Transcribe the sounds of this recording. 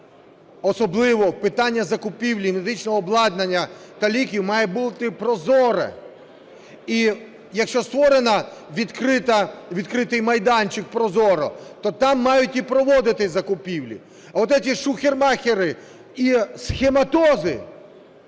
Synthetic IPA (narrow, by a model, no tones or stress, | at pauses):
ɔsɔblˠɪʋɔpɪt̪ɑnʲːɐzɐkʊpʲiwlʲiɪmed̪ɪt͡ʃnɔːblˠɑd̪nɐnʲːɐt̪ɐlʲikʲiwmɑjɛbulˠt̪ɪpɾɔzɔɾɛ̰ | i | jɐkʃt͡ʃɔst̪ʋɔɾenɐʋʲid̪kɾɪt̪ɐʋʲid̪kɾɪt̪ɪjmɐjd̪ɑnʲt͡ʃɪk̚pɾɔzɔɾɔ̰t̪ɔt̪ɑmːɑjʊtʲipɾɔʋɔd̪ɪt̪ɪzɐkʊpʲiwlʲḭ | ɐɔt̪ɛtʲiʃʊxʲermɑxʲeɾɪ | isxʲemɐt̪ɔzɪ